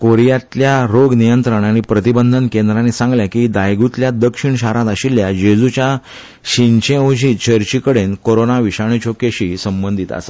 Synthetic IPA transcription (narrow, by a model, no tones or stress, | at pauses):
koɾijat̪ljaɾoɡnijənt̪ɾəɳaɽ̃ipɾət̪ibənd̪ʱənkend̪ɾanːisãŋɡljakid̪ajɡut̪ljad̪əkʂiɳɕaɾãt̪aɕiljad͡ʑed͡zut͡ɕja | ɕiɲt͡ɕẽod͡ʑiːt͡ɕʰəɾt͡ɕikəɽenkoɾonaʋiɕaɳ̃it͡ɕʰokeɕisəmbənd̪ʱit̪a̰sḁ